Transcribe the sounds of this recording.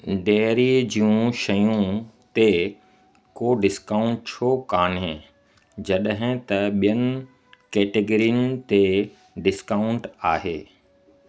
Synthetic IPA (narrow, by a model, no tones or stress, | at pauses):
ɖeːɾid͡ʑiũʃɐjũt̪e | koːɖɪskaːʊ̃ɳʈ̚t͡ɕʰokaːnɦẽ | d͡ʑɐɗɦɪ̃t̪ɐɓijənɪ | keːʈeɡɾijənɪt̪e | ɖɪskaːʊ̃ɳʈaːɦeː